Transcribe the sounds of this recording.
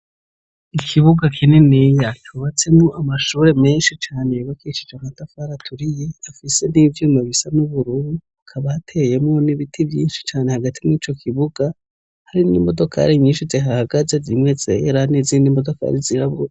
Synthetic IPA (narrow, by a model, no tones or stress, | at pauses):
ikʰiβuɡakʰinenijat͡ʃuβat͡se̞mŋoʔamaʃuːɾe̞me̞ːnʃit͡ʃaːneβakiʃi̥d͡ʒamatafaɾatʰuɾije̞afise̞nivjuːmaβisanuβuɾuɾuakʰaβatʰe̞je̞mŋoniβitʰibjiːnʃi̥t͡ʃaːne̞haɡatʰimŋiːt͡ʃo̞kʰiβuɡa | haɾinḭmo̞do̞kʰa̰ɾiɲiːnʃizeɦaaɡazezimŋe̞zeɾanizinimo̞do̞ka̰ɾiziɾaβo